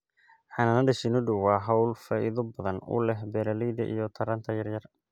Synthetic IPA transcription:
ħɑnɐnɐɖɪʃɪnʊɖʊwɑːɦɐwlfɐʔɪ̰ðʊbɐðɐnʊ̰lɛɦbɛlɐlijd̪ɐ̰ʔḭjɔt̪ʰɐɾɐnt̪ʰɐjɐrjɐr

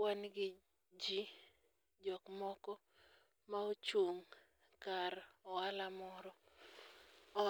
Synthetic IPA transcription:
wanɡɪ | d͡ʒi | d͡ʒɔkmɔkɔ | maot͡ʃwoŋ | kaɾɔalamɔɾɔ

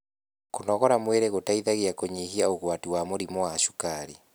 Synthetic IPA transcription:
konɔɣɔɾamweɾeɣotaiðaɣeakoɲehiaoɣwatiwamoɾimɔaʃu̥kaɾi

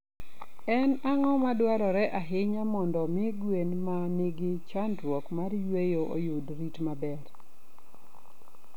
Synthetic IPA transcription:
ɛnaŋɔmadwaɾɔɾɛʔaɦɪɲamɔndɔmɪɡwenmanɪɡɪt͡ʃandwɔkmarjwejoʔo̰judɾitmabɛr

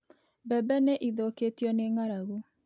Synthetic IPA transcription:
bɛːbɛneʔiðoketiɔneŋaɾaɣu

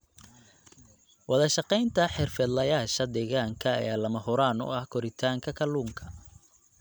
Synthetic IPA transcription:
wɑðɐʃɑqɛjnt̪ʰɐħɪrfɛːd̪lɐjaːʃɐd̪ɛːɣaːŋkʰɐ̰ːjaːlɐmɐɦʊɾaːnʊ̰ɐhkʰɔɾɪt̪ʰaːŋkʰɐkʰɐluːŋkʰɐ

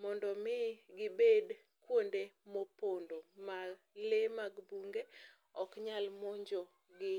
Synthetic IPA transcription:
mɔndɔmɪɡɪbed | kwondemopondoma | lemaɡbuŋɡe | ɔkɲalmɔɲd͡ʒo | ɡɪ

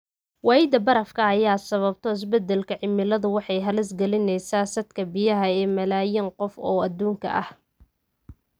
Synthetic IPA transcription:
wɑːjɪd̪ɐbɐɾɐfkʰɐːjaːd̪sɐβɐbt̪ʰɔɪs̬bɛd̪ɛlkʰɐʕɪmːɪlɐðʊwɑħɑjɦɐlɪsɡɐlɪnɛjsaːsɐd̪kʰɐbɪjɐɦɐɛːmɐlaːjɪnqɔfɔ̰ːɐd̪uːŋkʰɐ̰ʔɐ̰h

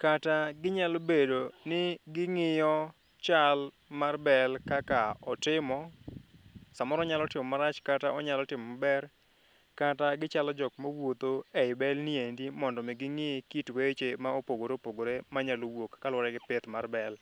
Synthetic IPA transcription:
kataɡɪɲalobedonɪɡɪŋɪjɔ | t͡ʃal | marbɛlkakaɔtɪmɔ | samɔɾɔɲalɔtɪmɔmaɾat͡ʃkataʔɔɲalɔtɪmɔmabɛr | kataɡɪt͡ʃalɔd͡ʒɔkmawot̪oeɪbɛlniendimɔndɔmɛɡɪŋɪkitwet͡ʃemaopoɡoɾeopoɡoɾemaɲalowokːalwɔɾɛɡɪpet̪marbɛl

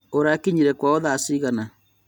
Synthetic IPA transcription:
oɾakiɲiɾɛkwaoðasiɣana

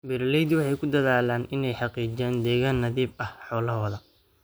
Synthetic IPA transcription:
bɪɾlɛjd̪wɑħɑjkʰʊd̪ɐðaːlaːnɪnɛjħɑqiːd͡ʒaːnd̪ɛːɣaːnːɐðiːbɐhħɔːlɐɦɔːðɐ

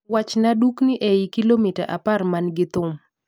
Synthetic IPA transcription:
wat͡ʃnadukniʔeikilomita̰ʔa̰parmanɡɪt̪ʊm

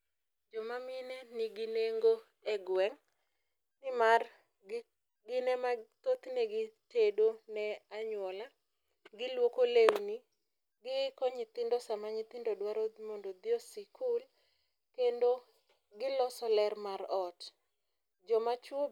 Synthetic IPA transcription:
d͡ʒɔmamɪnɛniɡɪneŋɡo | ɛɡwɛŋ | nɪmar | ɡɪnɛmat̪ot̪neɡɪtedonɛaɲwɔla | ɡɪlwokolewni | ɡɪkɔɲɪt̪ɪndosamaɲit̪ɪndodwaɾomondod̪ɪosikʰul | kendo | ɡɪlɔsɔlɛrmaɾɔt | d͡ʒɔmat͡ʃwo

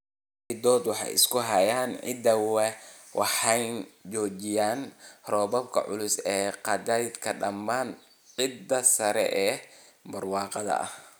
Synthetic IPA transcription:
id̪ɔːd̪wɑħɑ̰jɪ̰skʰʊɦɐjaːnʕɪ̰d̪ɐwɛ | wʔɑ̰ħɑjnt͡ʃɔːt͡ʃɪjaːnrɔːβɐbkʰɐ̰ʕʊ̰lʊsɛːqɑd̪ajɪd̪kʰɐɖɐmːaːn | ʕɪd̪ːɐsɐɾɛ̰ʔɛː | bɐrwɑːqɑðɐ̰ʔɐ̰h

